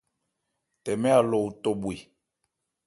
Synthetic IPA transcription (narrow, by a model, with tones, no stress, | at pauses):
tɛ˨mɛ˦a˨lo˨u˨to˨ɓwi˨